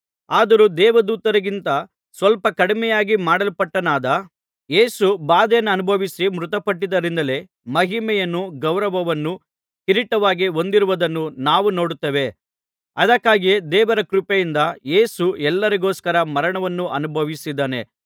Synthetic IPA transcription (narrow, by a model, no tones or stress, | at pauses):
aːd̪ɐɾud̪ɛːʋɐd̪uːt̪ɐɾɐɡint̪ɐ | sʋɐlpɐkɐɽimɛjaːɡimaːɽɐlpɐʈːɐnaːd̪ɐ | je̞ːsubaːd̪ɛjɐnːɐɐnubʱɐʋisimɾut̪ɐpɐʈːid̪ɐɾind̪ɐle̞ | mɐɦimɛjɐnːuɡɐwɾɐʋɐʋɐnːu | kiɾiʈːɐʋaːɡio̞nd̪iɾuʋɐd̪ɐnːunaːʋuno̞ːɽut̪ːɐʋe̞ | ɐd̪ɐkːaːɡied̪ɛːʋɐɾɐkɾupejind̪ɐjeːsuɛlːɐɾiɡo̞ːskɐɾɐmɐɾɐɳɐʋɐnːuʔɐnubʱɐʋisid̪ːɐːne̞̰